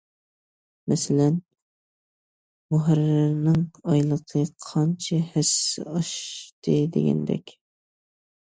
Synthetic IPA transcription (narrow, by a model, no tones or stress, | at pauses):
mɛsɪlɛn | mʊɦaɾɪɾnɪŋɑjlˠəqʰəqʰɑnt͡ʃʰɛhɪsɪ̰ɑʃt̪ʰɨd̪ɪ̰ɡʲɛ̰nd̪ɛ̰kʲ